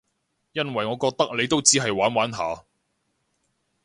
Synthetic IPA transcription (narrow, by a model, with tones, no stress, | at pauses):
jɐ˥nwɐ˨jŋɔː˨˧kɔː˧k̚t̪ɐ˥k̚ne˨˧jt̪o˥wt͡siː˥ɦɐ˨jwaː˨˥nwaː˨˥nɦa̰ː˨˧